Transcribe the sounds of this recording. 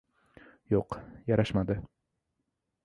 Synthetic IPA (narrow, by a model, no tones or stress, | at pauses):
joqjaɾaʃmad̪ɪ